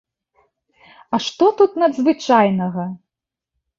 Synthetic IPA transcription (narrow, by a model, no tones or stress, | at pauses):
ɐʂt̪ɔt̪ut̪nɐd̪zvɨt͡ʂajnɐɣɐ